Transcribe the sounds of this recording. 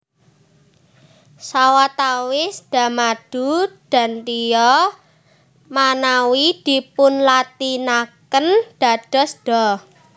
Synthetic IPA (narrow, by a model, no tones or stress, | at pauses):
sawat̪awɪsd̪̥a̤mad̥ud̥a̤nt̪ijɔ | manawid̪̥i̤pʊnlat̪inakənd̥a̤d̥ɔ̤sɖ̥ɔ